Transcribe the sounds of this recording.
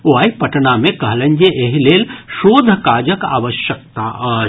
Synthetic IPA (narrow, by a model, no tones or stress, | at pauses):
uaːipɐʈnamẽkɐɦlənd͡ʒeʔeɦileːlʃoːd̪ʱəkaːd͡ʒəka̰ːʋəʃjək̚t̪aʔɐ